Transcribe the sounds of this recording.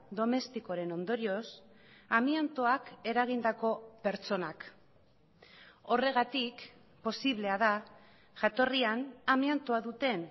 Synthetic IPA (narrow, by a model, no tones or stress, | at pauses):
d̪o̞me̞st̪iko̞ɾe̞no̞nd̪o̞ɾio̞s | amiant̪oake̞ɾaɣind̪ako̞pe̞ɾt͡ʃo̞nak | o̞re̞ɣ̞at̪ik | po̞siβle̞að̞a | ʝat̪o̞rianamiant̪oaðut̪e̞n